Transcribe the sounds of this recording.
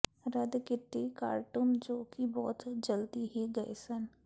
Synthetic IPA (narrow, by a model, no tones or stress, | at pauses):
ɾəd̪kɪt̪ːika̰ːɾʈund͡ʒoːkibɔːt̪d͡ʒəld̪iɦiɡɐesən